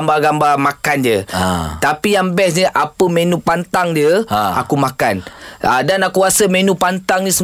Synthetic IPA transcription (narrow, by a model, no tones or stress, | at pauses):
mbaɡambamakand͡ʒət̪apijaŋbɛsd͡ʒəʔapəmẽnũpant̪aŋd͡ʒəa̰kumakana̰danakuɾasəmẽnũpant̪aŋɲisə